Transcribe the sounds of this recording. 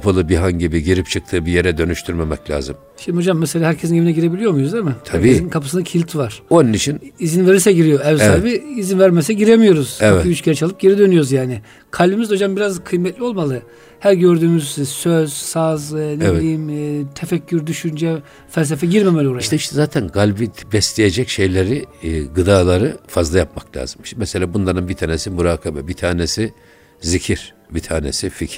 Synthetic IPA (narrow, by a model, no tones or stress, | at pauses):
kʰapʰalˠɯbiɦaɲɟibiɟeɾipt͡ʃʰɯk̚t̪ʰɯːbijeɾɛd̪ø̞nyʃt̪ʰyɾmemɛ̰clʲa̰ːzɯ̰m | ʃimd̪iho̞d͡ʒamːɛselʲaːɦæɾcʰesinjeminɛɟiɾe̞bilʲijo̞mujoɾuzemɯt̪ʰaæɾieinnkʰapʰḁsɯnacʰilʲt̪ʰvaɾ̥onunit͡ʃʰinizinveɾisɛɟiɾijoɛvsabiːzinvæɾmɛsɛɟiɾemijo̞ɾuz̥ɛiyt͡ʃcʰɛɾɛt͡ʃʰalˠɯp̚ɟe̞ɾid̪ø̞nyjo̞ɾuzjaːnɪ | kʰalʲbimizo̞d͡ʒambiɾazkʰɯjmɛt̪lʲio̞lˠmalˠɯ | hæɾɟøɾd̪yːmyzsøz̥saznɛvilʲijimːt̪ʰefɛcʰːyɾd̪yʃynd͡ʒɛ | fælʲs̬efɛɟiɾmemelʲioɾaiʃt̪ʰɛiʃt̪ʰɛzaːt̪ʰænɡalʲbit̪ʰbɛslʲejed͡ʒɛcʃe̞jlʲeɾiɡɯd̪aːlˠaɾɯfazlˠajap̚maklʲa̰ːzɯmiʃt̪mɛselʲaːbunlˠaɾɯnbit̪ʰaːnɛsimuɾaːkʰabɛbit̪ʰaːnesi | zicʰiɾ̥ | bit̪ʰaːnḛsificʰ